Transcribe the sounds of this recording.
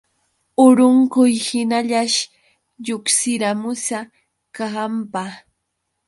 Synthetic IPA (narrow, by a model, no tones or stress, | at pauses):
ʊɾʊŋkʊjhɪnaʎaʃ | ʎʊksɪɾamʊsa | kaampa